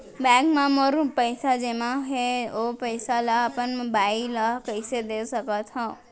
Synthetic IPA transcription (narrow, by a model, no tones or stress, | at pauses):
bɛ̃ɡmãmoɾũpəjsad͡ʒemãɦeopəjsalaːpənbailakəɪsed̪esəkət̪ɦɔ̃